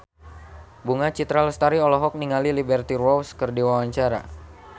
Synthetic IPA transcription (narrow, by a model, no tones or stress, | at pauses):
buŋat͡ʃit̪ɾaləst̪aɾiɔlɔɦɔk̚niŋalilibɛrt̪irwɔwskərdiwawaɲt͡ʃaɾa̰